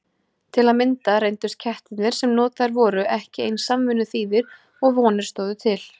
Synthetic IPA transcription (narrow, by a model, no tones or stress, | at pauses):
t̪ʰɪlaðmɪnt̪aɾejnt̪ʏst̪̚cʰɛht̪ɪt̪nɪɾ̥sɛmnɔːt̪aɾvɔːɾʏʔɛhcɪejnsamvʏnʏθiːðɪɾ | ɔɣvɔːnɪɾ̥st̪oːwðʏt̪ʰɪl